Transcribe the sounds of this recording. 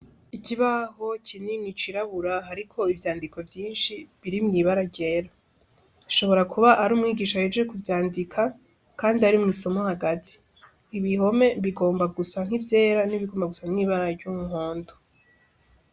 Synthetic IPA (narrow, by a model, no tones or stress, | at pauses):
iciβaho̞cʰininit͡ʃiɾaβuɾaɦaɾikʰo̞ivjaːndiko̞vjiːnʃiβiɾimŋiβaɾaɟe̞ːɾa | iʃo̞βo̞ɾakʰuβaʔaɾuːmŋiːɡiːʃahed͡ʒekuvjaːndikʰa | kaːndiaɾimŋiːso̞mohaɡatʰi̥ː | βiɦo̞me̞βiɡo̞ːmbaɡusaŋ̥ivje̞ːɾaniβiɡoːmbaɡusamŋiːβaɾaɾɟumuɦoːndo